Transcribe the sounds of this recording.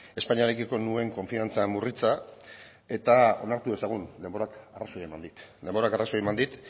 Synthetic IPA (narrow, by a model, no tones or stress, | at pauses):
e̞spaɲiaɾekiko̞nue̞ŋko̞ɱfiant͡samurit͡sa | e̞t̪ao̞̰naɾt̪ue̞saɣ̞und̪e̞mbo̞ɾakarasoe̞mand̪it̪d̪e̞mbo̞ɾakarasoemand̪it̪